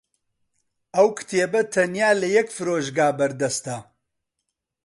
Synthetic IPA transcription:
ɐwkʰɨ̥t̪ʰeːbɐt̪ʰɐnjaːlɐjɛkfɨɾoːʒɡaːbɐɾd̪ɐst̪ɐ

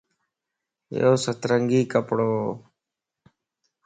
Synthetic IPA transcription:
joːsət̪ɾəŋɡiːkəpɽoː

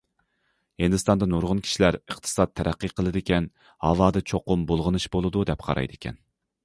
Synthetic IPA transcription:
hɪnd̪ɨst̪ɑnd̪ɑnoɾʁʊnkʲʰi̥ʃilæɾəχt̪ʰɨ̥sɑt̪ʰːɛɾæqːiqʰəlˠɨd̪ɪkʲɛn | hɑvɑːd̪ɨt͡ʃʰoqʊmbolˠʁənɨʃbolˠɨd̪ud̪ɛpqʰɑ̰ɾɑ̰jd̪ɪkʲʰɛ̰n

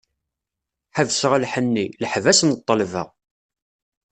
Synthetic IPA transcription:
ħavsʁalħənːiləħvæsnət̪ˤːəlvə̰ʁ

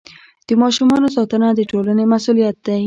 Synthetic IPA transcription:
d̪̥əmɑʃumɑnos̬ɑt̪ənad̪əʈolanemasulijat̪̚d̪aj

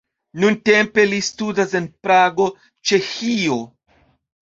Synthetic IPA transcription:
nunte̞mpe̞listudase̞npɾaɡo̞ | t͡ʃe̞xio̞

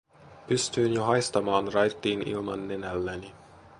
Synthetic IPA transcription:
pyst̪yːnjoɦɑjst̪ɑmɑːnrɑjt̪ːiːnḭlmɑ̰nːenælːæni

